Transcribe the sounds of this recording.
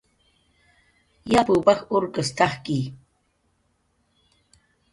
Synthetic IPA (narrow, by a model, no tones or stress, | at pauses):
japuːpɑχʊɾkast̪ɑχki